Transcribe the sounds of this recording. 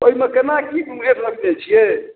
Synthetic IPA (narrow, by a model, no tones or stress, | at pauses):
oɦimekənakiɡunɾesɾəkʰnet͡ʃʰije